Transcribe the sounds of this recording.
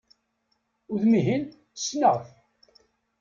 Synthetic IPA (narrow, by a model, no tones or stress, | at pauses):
ʊðmiɦin | θə̥snəʁθ